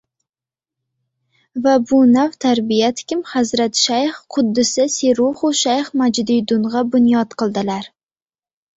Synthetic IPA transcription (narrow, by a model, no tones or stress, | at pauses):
vabʊnawt̪ʰaɾbijat̪ʰɪ̥kʲɪmhazɾat̪ʃajχqʰʊd̪ːɪsɪseɾʊχʊʃajχmad͡ʒd̪ɪjd̪ʊnʁɑbʊnjɒt̪qɨlˠd̪ɪlaɾ